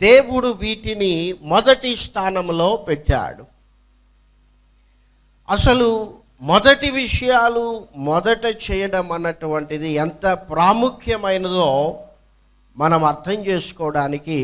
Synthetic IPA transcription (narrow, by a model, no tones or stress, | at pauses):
d̪̥eːwuɽuʋiːʈinimɔd̪ɐʈist̪ʰaːnɐmlo̞ːpɛʈːa̰ːɽu | ɐsɐlu | mɔd̪ɐʈiʋiʂɐjaːlumɔd̪ɐʈɐt͡ʃɛːjɐɽɐmɐnːɐʈuʋɐɳʈid̪iɛnt̪ɐpɾaːmukʰjɐmɐjnɐd̪oː | mɐnɐmɐɾt̪ʰɐmt͡ʃe̞ːsu̥kɔːɐɽaːniki